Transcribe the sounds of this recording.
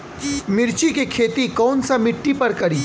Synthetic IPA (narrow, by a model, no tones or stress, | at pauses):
mɪɾt͡ʃikekʰeːt̪ikɔːnsamɪʈːipɐɾkɐɾiː